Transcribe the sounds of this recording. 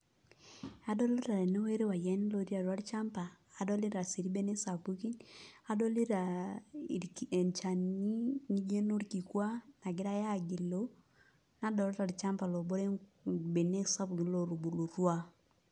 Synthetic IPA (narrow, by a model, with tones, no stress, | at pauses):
a˦dɔ˦le˦ta˨ɾe˨no˦we˦ɾe˦wa˨jɛ˦n˦lo˦˨ɾi˦a˨ɾwa˦ɾt͡ʃa˦mpaː˨dɔ˦li˦ɾa˨si˨ɾi˦be˦ne˦sa˨pu˦ki˦na˨dɔ˦li˦ɾa˨ | e˨nt͡ʃa˨ni˦ni˦ɡe˦no˦ɾki˨kwa˦na˨ɡɪ˦ɾa˦ja˦˨ɡi˨lo˦ | na˦dɔ˨lɔ˦ɾa˨ɾi˨t͡ʃa˦mpa˨lo˨bo˦ɾe˦be˨ne˦sa˦bɡi˨lo˨ɾu˨bu˨lu˨ɾwa˦